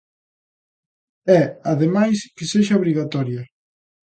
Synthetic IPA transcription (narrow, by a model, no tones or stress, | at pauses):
ɛaðemajskɪseʃaoβɾiɣat̪ɔɾjɐ